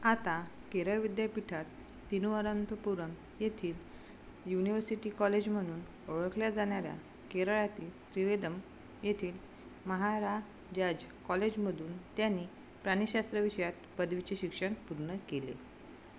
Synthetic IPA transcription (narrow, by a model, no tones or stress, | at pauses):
at̪akeɾəɭʋid̪japiʈʰat̪ː | inʋəɾanpəpuɾəm | jet̪ʰiːl | juniʋəɾsiʈiːkɔled͡ʑm̤əɽ̃uːn | oɭəkljad͡zaɽ̃jaɾja̰ | keɾəɭat̪iːlt̪ɾiʋed̪əm | jet̪ʰiːl | məɦaɾa | d͡ʑad͡ʑkɔled͡ʑm̤əd̪ʱuːnt̪janːiː | pɾañiɕast̪ɾəʋiɕjat̪pəd̪ʋit͡ɕeɕikʂəɳpuɾɳəkelḛ